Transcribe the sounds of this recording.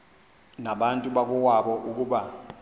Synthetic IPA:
naɓantʼuɓak̬ʼuwaɓɔʔuk̬ʼuːɓa

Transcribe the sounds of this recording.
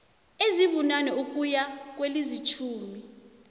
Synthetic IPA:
eziɓunanɛuk̬ʼujak̬welizit͡ʃʰuːmi

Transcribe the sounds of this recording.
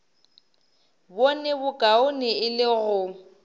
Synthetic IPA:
bonɛbʊkʼaʊnɪɪlɪɣʊ

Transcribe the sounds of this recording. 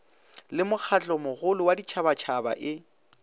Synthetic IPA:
lɪmʊk͡xʰat͡ɬʼɔmʊɣʊlʊwadit͡ʃʰabat͡ʃʰaba̰ʔɪ

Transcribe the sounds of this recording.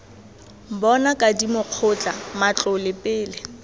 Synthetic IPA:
m̩bɔnakʼadimʊq͡χʰʊt͡ɬʼamat͡ɬʼʊlɪpʼɪːlɪ

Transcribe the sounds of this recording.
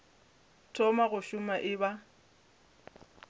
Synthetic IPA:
tʰɔmaɣʊʃʊmaʔɪba

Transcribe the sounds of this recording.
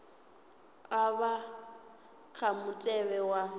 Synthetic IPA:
aβa | kʰamʊtʼɛβɛwa

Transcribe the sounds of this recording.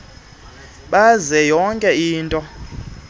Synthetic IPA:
ɓazɛjɔŋkʼɛiːntʼɔ

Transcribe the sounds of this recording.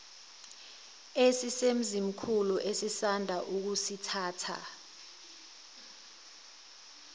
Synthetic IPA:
esisem̩zim̩kʰuluʔesisandʱaʔuk̬usitʰaːtʰa̰

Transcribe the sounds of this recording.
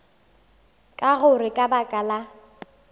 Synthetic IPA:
kʼaɣʊrɪkʼabakʼala

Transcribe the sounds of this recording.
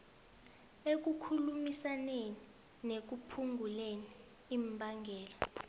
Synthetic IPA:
ek̬ukʰulumisaneni | nek̬upʰuŋɡʱuleniː | mbʱaŋɡʱɛːla

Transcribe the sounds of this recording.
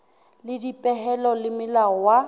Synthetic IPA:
lɪdipʼɛɦɛlɔlɪmɪlaɔwa

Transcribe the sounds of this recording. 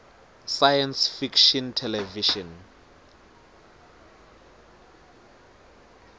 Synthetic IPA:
sajansfikʃɔntʰɛlɛviʃɔn

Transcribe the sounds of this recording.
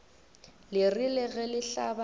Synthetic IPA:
lɪrilɪɣɛlɪɬaba

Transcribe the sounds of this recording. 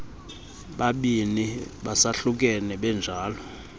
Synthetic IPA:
ɓaɓiniɓasaɬuk̬ʼɛnɛɓɛnd͡ʒʱaːlɔ

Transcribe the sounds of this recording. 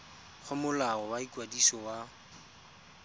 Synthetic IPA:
χʰʊmʊlaɔwaikwadisɔwa

